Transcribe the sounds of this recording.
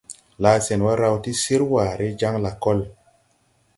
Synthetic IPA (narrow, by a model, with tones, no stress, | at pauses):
laː˨˦sɛ˨nwa˦ɾa˧˦wti˦si˦ɾwaː˨ɾe˦d͡ʒa˦ŋla˨kɔ˦l